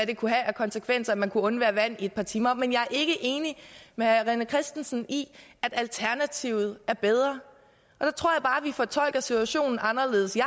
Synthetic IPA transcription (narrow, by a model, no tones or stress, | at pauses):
æd̥e̝kʰuɦææɐkʰɒ̽nsekʰʋen̰sɐæmænkʰuɔ̽nʋæɐʋæn̰ie̝d̥̚pʰɑ̈t͡sʰiːmɐmenjɑ̈ɪæɐʔe̝ɡ̥əʔe̝ːnimeʁɛnəkʰʁɛsd̥en̩sn̩iæd̥ælt͡sʰæɐnæt͡sʰiʊ̰ð̞̩ˠæɐb̥eð̞ˠʁɐ | ʔɒ̽d̥ɑ̈t͡sʰʁo̝ɐ̰jɑ̈ɪb̥ɑ̈ːʋifɒ̽t͡sʰɒ̽l̰ɡ̥ɐsit͡sʰuæɕo̝̰ːnn̩ɑ̈nɐle̝ːðˠəsj